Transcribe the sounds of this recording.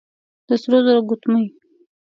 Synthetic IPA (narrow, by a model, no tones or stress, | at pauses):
d̪̥əsɾozoɾaɡʊt̪məj